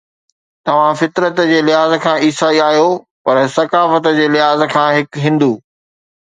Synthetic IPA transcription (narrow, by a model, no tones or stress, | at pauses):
t̪ɐʋ̤ãfɪt̪ɾət̪d͡ʑeːlɪɦaːzkʰãːiːsaːiaːɦijo | pɐɾsɐkaːfət̪d͡ʑeːlɪɦaːzkʰãːɦɪkɦĩːnd̪uː